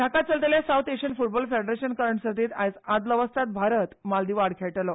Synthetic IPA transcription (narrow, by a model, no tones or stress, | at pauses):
ɖʱakat̪̚t͡səlt̪eljasawt̪eɕənfuʈ̚bɔlfeɖɾeɕənkəɾəɳʈsəd̪ʱiːt̪ajsad̪ləʋəst̪ʰat̪̚bʱaɾət̪mald̪iːʋaɽkʰeʈlɔ